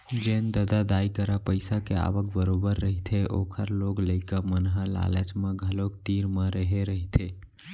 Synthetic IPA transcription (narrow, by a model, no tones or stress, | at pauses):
d͡ʒend̪əd̪ad̪ajkəɾapəɪsakea̰ʋək̚bəɾobəɾːəɦit̪ʰeʔokʰəɾloɡləɪkəmənɦala̰lət͡ʃmãɡʱəlokt̪iɾmə̃ɾəɦeɾəɦit̪ʰe